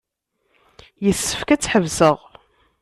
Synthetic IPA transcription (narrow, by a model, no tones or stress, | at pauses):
jəsːə̥fkæt͡sːħəvsəʁ